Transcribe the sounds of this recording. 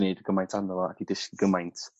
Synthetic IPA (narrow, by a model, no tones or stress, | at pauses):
nedɡ̥əmajntʰanɔlˠɔa̰kʰidɪskiɡəmajntʰ